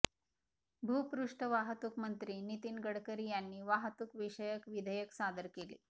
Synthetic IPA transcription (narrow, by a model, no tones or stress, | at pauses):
bʱuːpɾuʂʈəʋaɦət̪ukmənt̪ɾiːnit̪iːnɡəɽkəɾiːjanːiːʋaɦət̪ukʋiʂəjəkʋid̪ʱəjəksad̪əɾkelḭː